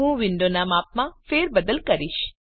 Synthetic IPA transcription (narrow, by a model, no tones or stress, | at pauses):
ɦũʋɪɳɖonamap̚mãfeɾbəd̪əlkəɾiʃ